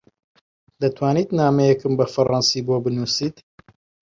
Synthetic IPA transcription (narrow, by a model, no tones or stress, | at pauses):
d̪ɐt̪ʰwaːniːt̪naːmɐjɛkɨmbɐfɐɾˤɑnsiːbobɨnuːsiːt̪